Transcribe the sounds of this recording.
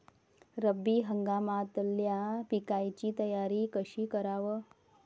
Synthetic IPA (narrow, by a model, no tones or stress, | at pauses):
ɾəbːiːɦəŋɡamat̪əljapikajt͡ɕiːt̪əjaɾiːkəɕiːkəɾaʋə